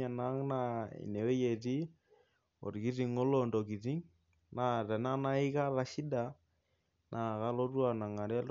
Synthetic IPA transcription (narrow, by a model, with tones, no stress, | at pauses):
a˨na˦ŋna˦ḭ˨ne˨we˦je˨ti˦ | o̰˨ɾki˦ɾi˨ŋo˦lo˦ndo˨ki˨ti˦ŋ | na˨tɛ˨na˦na˦i˦ka˦la˦ʃi˦da˨ | nʔa˨ka˦lo˦twa˦˨na˨ŋa˨ɾɛ˦l